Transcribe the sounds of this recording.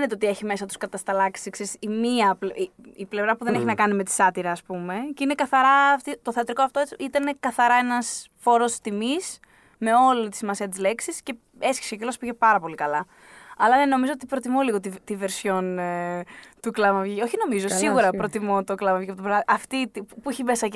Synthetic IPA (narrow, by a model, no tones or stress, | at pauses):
net̪eo̞t̪ie̞çime̞sɐt̪u̥skɐt̪ɐst̪ɐlɐksikseisimiɐpliiple̞vɾɐpuðene̞çinɐkɐnime̞t̪i̥sɐt̪iɾɐːspume̞cinekɐθɐɾɐːft̪it̪oθe̞ɐt̪ɾiko̞ɐft̪oet͡sit̪ɐne̞kɐθɐɾɐenɐs | fo̞ɾo̞st̪imis | me̞o̞lit̪i̥simɐsiɐt̪izle̞ksisce̞ | e̞sçi̥seocilospiʝe̞pɐɾɐpo̞likɐlɐ | ɐlɐneno̞mizo̞ot̪ipɾo̞t̪imoliɣot̪ivt̪ive̞ɾsço̞n | t̪uklɐmɐvʝioçino̞mizosiɣuɾɐpɾo̞t̪imot̪oklɐmɐvʝiɐpot̪bɾoɐʔɐft̪it̪ipuiçimesɐ